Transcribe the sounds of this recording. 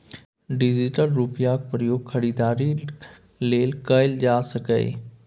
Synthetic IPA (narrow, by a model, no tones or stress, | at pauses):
ɖɪd͡ʑiʈəlɾupjak̚pɾjoːɡkʰɐɽiːd̪aːɾi | leːlkɐɪld͡ʑaːsɐkə̰ɪ̰